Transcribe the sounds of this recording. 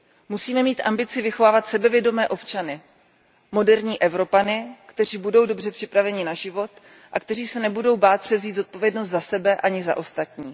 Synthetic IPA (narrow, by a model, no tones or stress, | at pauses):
musiːmɛmiːt̪ʔambɪt͡sɪvɪxo̞vaːvat̪sɛbɛvjɛdo̞mɛːʔo̞pt͡ʃanɪ | mo̞dɛɾɲiːʔɛvɾo̞panɪkt̪ɛr̝iːbudo̞wdo̞br̝ɛpr̥ɪpɾavɛɲɪnaʒɪvo̞t̪ | ʔakt̪ɛriːsɛnɛbudo̞wbaːt̪̚pr̥ɛvziːd̪zo̞t̪̚po̞vjɛdnost̪zasɛbɛʔaɲɪza̰ʔo̞st̪at̪ɲiː